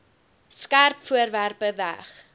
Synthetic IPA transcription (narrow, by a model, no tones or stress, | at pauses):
skærpfuərværpəvæ̰χ